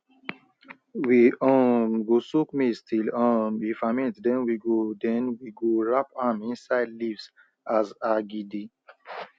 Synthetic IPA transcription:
wiɔ̃mɡosukmistilɔ̃mifamĩntdɛ̃nwiɡodɛ̃nwiɡoɹapamĩnsaɪdlivs | azaɡidi

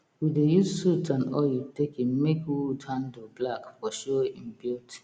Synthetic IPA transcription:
widejusutãnɔjutekĩmekwutʰãndublakfɔʃoĩmbilt

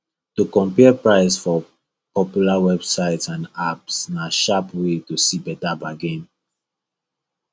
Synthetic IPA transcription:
tukɔ̃mpɛpɹaɪsfɔ | pɔpjulawɛbsaɪtsãnapsnaʃapwetusibɛtabaɡẽm

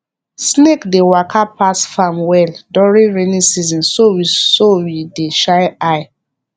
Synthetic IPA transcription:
snekdewakʰapasfamwɛldɔɹĩɹenĩsizɔ̃nsowisowideʃajaɪ

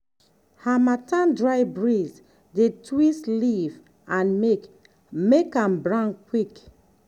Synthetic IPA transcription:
hamatãndɹaɪbɹiz | detʰwisliv | ãnmek | mekãmbɹãnkwik

